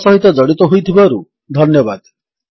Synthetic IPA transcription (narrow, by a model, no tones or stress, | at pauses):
sɔɦit̪ɔd͡ʒɔɽit̪ɔɦojt̪ʰibaɾu | d̪ʱɔnjɔbad̪